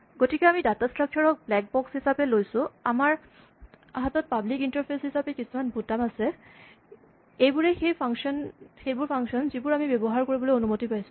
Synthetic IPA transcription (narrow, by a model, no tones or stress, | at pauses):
ɡotikɛamidatastɹakʰːijɔɹɔk̚blɛk̚bɔkshisapɛlojsʊ̃amaɹ | aɦatɔt̚pablikintaɹpʰeshisapɛkisumanbʱutamasɛ | ejbuɹɛxejpʰaŋsɔnxejbʊɹpʰaŋsɔnzibʊɹamibebɔɦaɹkoɹibɔlojonumotipajsʊ̥